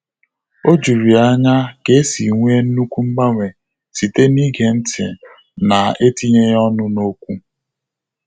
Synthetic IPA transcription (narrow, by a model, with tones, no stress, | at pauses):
o˦d͡ʒu˨ɾi˨a˦ɲa˦ɡe˦si˨ŋʷe˦n̩˦nu˦kʷu˦m̩˦ɡ͡ba˦ŋʷe˨ | si˨te˦ni˦ɡe˨n̩˦tʰɪ̰˨ | na˨e˦ti˦ɲe˦jɔ˦nʊ˦no˦kʷu˦